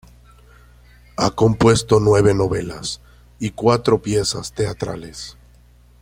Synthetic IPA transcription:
ako̞mpwe̞st̪o̞nwe̞β̞e̞no̞βe̞las | ikwat̪ɾo̞pje̞sast̪e̞at̪ɾa̰les

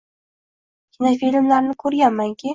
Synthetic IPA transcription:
kʲʰɪnafilmlaɾnɪkʰɵɾɡʲanːaŋkʲʰɪ

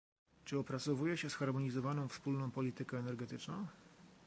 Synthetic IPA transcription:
t͡ʂɘɔpɾat̪sɔvujɛɕɛsxaɾmɔɲizɔvanɔ̃w̃fspulnɔ̃w̃pɔlʲit̪ɘkɛɛnɛɾɡɛt̪ɘt͡ʂnɔ̃w̃

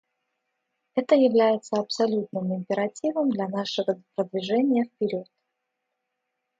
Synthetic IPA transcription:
ɛt̪əjɪvlʲæjɪt̪səɐpsɐlʲut̪nɨmɪmʲpʲɪɾɐtʲivəmd̪lʲanaʂɨvəpɾəd̪vʲɪʐɛnʲɪjəfpʲɪɾʲot̪̚

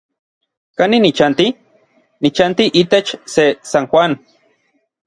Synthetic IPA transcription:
kaninit͡ʃant̪i | nit͡ʃant̪iʔit̪et͡ʃsesaŋxʷan

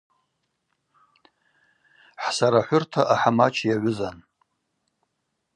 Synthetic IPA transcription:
ħsaɾaħʷʊrtʰaʔaħamat͡ʃʰjaʕʷʊzan

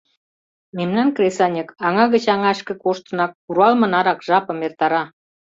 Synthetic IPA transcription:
memnɑnkresɑnʲəkɑŋɑɣət͡ɕɑŋɑʃkə̆koʃt̪ə̆nɑk̚ːuɾɑlmɤ̆nɑɾɑkʒɑpɤ̆mert̪ɑɾɑ

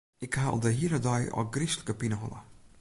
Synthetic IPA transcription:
ɪkhaɔ̰lˠdəɦiəɾədɔjɔ̰ɡrisləkəpinəɦɔlə̰

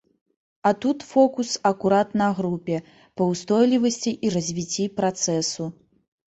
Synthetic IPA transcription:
ɐt̪ut̪fɔkusɐkuɾat̪nɐɣɾupʲɛ | pɐwst̪ɔjlʲivɐsʲt͡sʲiʔiɾɐzʲvʲit͡sʲːipɾat̪sɛsu

